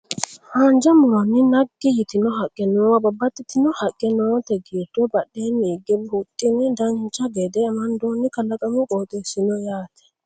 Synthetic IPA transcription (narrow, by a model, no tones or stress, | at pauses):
haːnd͡ʒɐmɔwnːɪnɐɡːɪjɪt̪ɪnɔhɐkʼːɛnɔːwabɐbːɐt̪ːɪt̪ɪnɔhɐkʼːɛnɔːt̪ɛɡiːɾd̪ɔbɐɗːeːmiːɡɛbut̪ʼːɪnɪd̪ɐnt͡ʃːɐbɛd̪ɛːmɐnd̪oːnːɪkɐlɐkʼɐmɪkʼoːt̪ʼɛsɪnɔjaːt̪ɛ̥